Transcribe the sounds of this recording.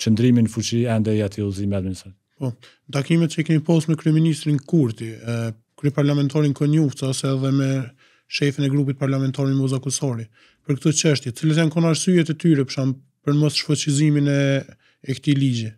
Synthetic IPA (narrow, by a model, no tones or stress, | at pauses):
t͡ɕənd̪ɾiminəfut͡ɕiɛnd̪ɛjat̪ʰiuzimiad̪minist̪ɾat̪ipɔ | nt̪akimɛt̪̚t͡ɕəɛkɛnipɔst̪mɛkɾyɛminist̪ɾinkuɾt̪i | kɾypaɾlamɛnt̪aɾinkɔɲuft̪t͡saɔsɛːðɛmɛ | ʃɛfinɛɡɾup̬it̪̚paɾlamɛnt̪aɾinmɔzakusɔɾi | pəɾk̚t̪ɔt͡ʃəʃt̪jɛt̪ə̥t͡silat̪jankɔnaɾsyɛt̪ɛt̪yɾɛpə̥ʃam | pəɾmɔsʃfɔt͡ɕiziminɛ | ɛkt̪ilid͡ʑi